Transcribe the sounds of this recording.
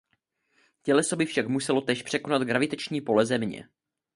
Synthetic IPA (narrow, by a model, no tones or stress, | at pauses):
cɛlɛsobɪfʃakmusɛlo̞t̪ɛːʃpr̥ɛko̞nat̪ɡɾavɪt̪ɛt͡ʃɲiːpo̞lɛzɛmɲɛ̰